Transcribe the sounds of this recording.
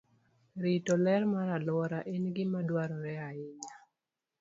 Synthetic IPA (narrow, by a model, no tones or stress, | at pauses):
ɾitɔlɛrmaɾalwɔɾaʔenɡɪmadwaɾɔɾɛaɪɲa